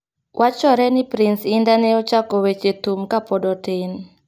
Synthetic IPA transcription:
wʔat͡ʃɔɾɛnipɾinsindaneɔt͡ʃakɔwet͡ʃet̪umkapɔdɔdɛn

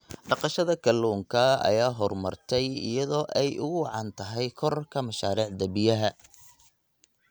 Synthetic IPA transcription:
ɖɑqɑʃɐðɐkʰɐluːŋkʰɐɐ̰jaːɦɔrmɐ̰rt̪ʰɛjɪ̰jɐðɔːʔɛjʔʊɣʊwɑʕɑnt̪ʰɐɦɛjkʰɔrkʰɐmɐʃaːɾiːʕd̪ɐbɪjɐɦɐ

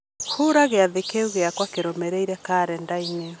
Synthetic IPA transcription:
huɾaɣeaðekeuɣeakwakeɾɔmɛɾeiɾɛkaːɾɛndaine

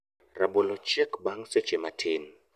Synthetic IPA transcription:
raɓɔlɔt͡ʃɛkbaŋsɛ̥t͡ʃɛmatʰeːn

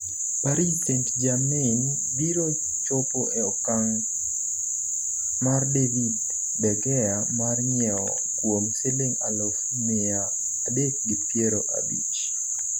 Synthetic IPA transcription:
paɾisentd͡ʒamɪn | biɾo | t͡ʃɔpoʔɛɔkaŋ | mardevidː | ɛɡɛja | marɲɛɔ̰ | kwomseleŋalof | me | aː | dek̚ɡipjeɾoʔa̰bḭt͡ʃ

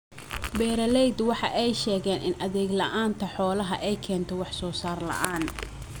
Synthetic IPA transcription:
bɛːɾɐlɛjd̪wɑħɑʔɛjʃɛːɣɛːnɪ̰nʔɐðɛːɡlɐʔaːnt̪ʰɐħɔːlɐɦɐʔɛjkʰɛːnt̪ʰɔwɑħsɔːsaːrlɐ̰ʔaːn

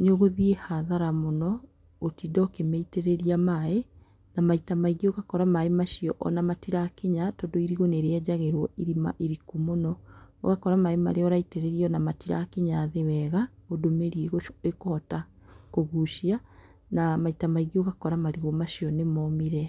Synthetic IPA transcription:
neoɣoðiehaðaɾamonɔ | otidɔːkemɛiteɾeɾiamae | namaitamaiɣioɣakɔɾamaemaʃiɔʔɔ̰namatiɾakeɲatɔdoiɾiɣoneɾeɛd͡ʑaɣeɾwɔiɾima̰ʔiɾikumonɔɔ̰ɣakɔɾamaema̰ɾeɔɾaiteɾeɾiɔnamatiɾa̰keɲaːðewɛɣaodomeɾieɣoekoɔta | koɣuʃia | namaitamaiɣioɣakɔɾamaɾiɣomaʃijɔnemɔmiɾɛ

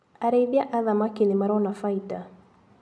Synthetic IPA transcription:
aɾeiðjaʔaðamakinemaɾɔnafaita

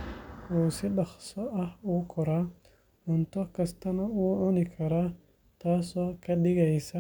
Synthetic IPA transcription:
ɔːsɪɖɐχsɔʔɐhuːkʰɔɾa | ʕʊnt̪ʰɔkʰɐst̪ʰɐnɐuːʕʊnɪkʰɐɾaː | t̪ʰaːsɔːkʰɐɗɪɣɛjsɐ

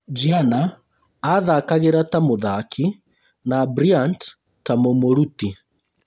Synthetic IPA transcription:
d͡ʒianaː | ðakaɣeɾatamoðakʰi | nabɾiant | tamomoɾuti

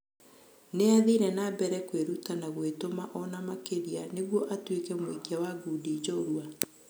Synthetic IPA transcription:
neaðiɾɛnabɛɾɛkweɾutanaɣwetomaʔɔnamakeɾianeɣwɔʔatwekɛmwekiawaɡudid͡ʒɔɾwa

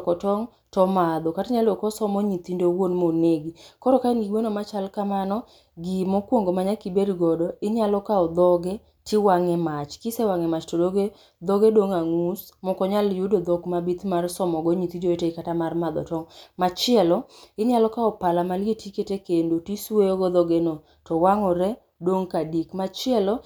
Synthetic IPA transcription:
kɔtɔŋ | tɔmad̪ɔkataɲalokɔsɔmɔɲit̪indowonmoneɡikɔɾɔkainɡiɡwonɔmat͡ʃalkamanɔ | ɡimokwoŋɡomaɲakibedɡɔdɔɪɲalɔkaɔd̪ɔɡe | tiwaŋɛmat͡ʃkisewaŋɛmat͡ʃtɔdoɡe | d̪ɔɡedoŋaŋusmɔkɔɲaljudod̪ɔɡmabit̪marsɔmɔɡɔɲit̪id͡ʒoeteikatamarmad̪ɔ̰tɔŋmat͡ʃɪɛlɔɪɲjalɔkaɔpalamaletiketekendotisweoɡɔd̪ɔɡeno | tɔwaŋɔɾɛ | doŋkadikmat͡ʃɪɛlɔ

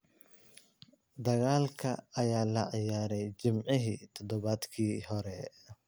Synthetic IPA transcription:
d̪ɐɣaːlkʰɐːjaːlɐʕɪjaːɾɛjt͡ʃɪmʕɪɦiːt̪ʰɔd̪ɔβaːd̪kʰiːɦɔɾɛ

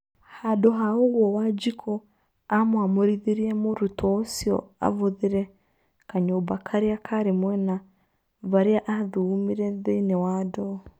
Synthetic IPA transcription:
hadoɦaoɣwɔwad͡ʒikʰo | amwamoɾiðiɾiemoɾutosjo̰a̰βoðiɾe | kaɲoːbakʰaɾiakʰaɾimwɛna | βaɾiaʔaðuumiɾɛðeinewado

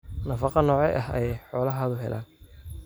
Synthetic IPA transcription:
nɐfɑqɑnɔːʕɛjʔɐhɛjɛjħɔːlɐɦaːðʊɦɛ̰lʔa̰ːn

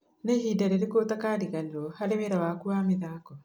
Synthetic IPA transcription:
nehiːdaɾeɾekotakaɾiɣaneɾɔhaɾemeɾawakuameðaːkɔ

